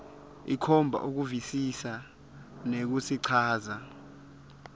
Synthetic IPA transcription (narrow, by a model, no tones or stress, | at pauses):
ikʰɔmbʱa̰ʔuk̬uvisisa | nek̬usiǀʰaːza